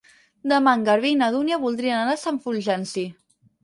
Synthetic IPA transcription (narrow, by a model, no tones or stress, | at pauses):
d̪əmaŋɡaɾβinaðunjaβulˠd̪ɾiənanasaɱfulʲʒɛnsi